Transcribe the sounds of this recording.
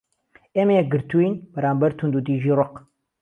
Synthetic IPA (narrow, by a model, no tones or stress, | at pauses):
emeɛɡɨɾt̪uinbɛɾaːmbɐɾt̪ʰund̪ud̪iːʒiːrʊq